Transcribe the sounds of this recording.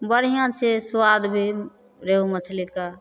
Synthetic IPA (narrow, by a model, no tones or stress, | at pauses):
bəɾ̤ijãt͡ʃʰeswad̪bʱi | ɾeɦumət͡ʃʰlika